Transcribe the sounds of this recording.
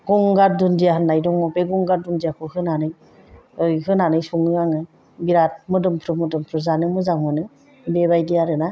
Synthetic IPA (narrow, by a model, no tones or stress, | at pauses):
ɡ̥ɔŋɡaɾ̚dundijaɦɯnːajdɔŋmɔpeɡɔŋɡaɾ̚dundijakʰɔhɯnanɯj | ɯjhɯnanɯjsuŋɯaŋɯ | biɾat̚mɯdɯmpʰɾɯmudɯmpʰɾɯzanɯmɯzaŋmɯnɯ | bebajdijaɾɯna